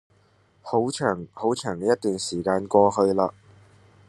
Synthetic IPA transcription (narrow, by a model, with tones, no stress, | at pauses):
ho˨˥wt͡ʃʰœː˨˩ŋho˨˥wt͡ʃʰœː˨˩ŋkɛː˧jɐ˥t̪yː˨˩nsiː˨˩kaː˧nkʷɔː˧hɵ˧ɥlaː˧